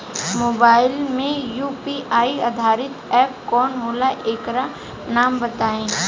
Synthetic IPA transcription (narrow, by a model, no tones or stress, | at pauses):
moːbaːɪlmẽjuːpiʔaːiɐd̪ʱaːɾɪt̪ɛːp̚kɔːnɦoːlaʔeːkɾa | naːmbɐt̪aːẽː